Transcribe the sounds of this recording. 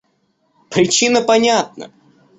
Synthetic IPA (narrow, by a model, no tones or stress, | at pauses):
pɾʲɪt͡ɕinəpanʲat̪̚nə̰